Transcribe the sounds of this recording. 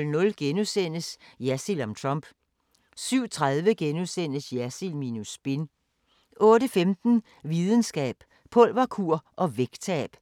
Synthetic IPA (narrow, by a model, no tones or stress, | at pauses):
lnɔ̽lɡ̥enusen̰əsjæsilɒ̽mt͡sʰʁɑmb̥ | syʊ̰t͡sʰʁaðˠʋəɡ̥enusen̰əsjæsilminusb̥e̝n | ʔɔ̽ːɾəfemd̥n̩ | ʋiðˠən̩sɡ̥ɛ̰ːb̥ | pʰɔ̽l̰ʋɑkʰuɐ̰ʔɒ̽ʋeɡ̥t͡sʰɛ̰ːb̥